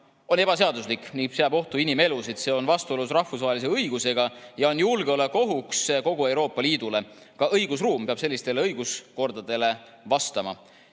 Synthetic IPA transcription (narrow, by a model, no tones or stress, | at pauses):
o̞ne̞b̥ɑse̞ɑd̪uslikːˑniseæːbo̞ht̪uinime̞lusid̪̥se̞ːo̞nvɑst̪uo̞lusrɑhfus̬vɑːɦe̞lis̬eɤjɡ̥use̞ɡ̥ɑjɑo̞njulɡ̥eo̞leko̞ɦuksko̞ɡ̥ue̞wɾo̞ːpˑːɑliːd̪ule̞ | kɑʔɤjɡ̥usruːmpe̞ɑb̥se̞lːist̪e̞le̞ɤjɡ̥usko̞rd̪̥ɑd̪̥e̞le̞ | vɑst̪ɑmɑ̰